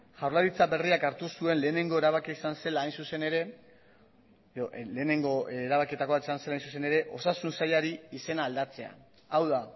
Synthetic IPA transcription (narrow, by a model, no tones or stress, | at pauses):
ʝawɾlaɾit͡sabe̞riakaɾt̪usue̞nle̞ːne̞ŋɡo̞e̞ɾaβakiaisanse̞laːjnsuse̞neɾe̞ | leːne̞ŋɡoɾaβakit̪ako̞βat̪esanse̞lajnsus̬e̞ne̞ɾe̞ʔo̞sasunsaʎaɾiise̞naːld̪at͡se̞a̰ | awða